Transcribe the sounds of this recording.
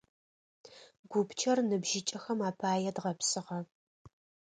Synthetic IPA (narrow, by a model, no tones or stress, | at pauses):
ɡ̥ʷʊpt͡ʃʰɐrnɨbʒɪt͡ʃʼɐxɐmaːpʰaːjɛdʁɐpsɨʁɐ